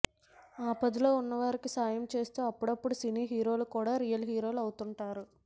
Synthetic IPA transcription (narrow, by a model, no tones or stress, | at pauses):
aːpɐd̪ilo̞ːunːɐʋaːɾikisaːjɐmt͡ʃe̞ːst̪uːɐpːuɽɐpːuɽusiniːɦiːɾo̞ːlukuːɽaːɾijɐlɦiːɾo̞ːlɐwut̪uɳʈaːɾu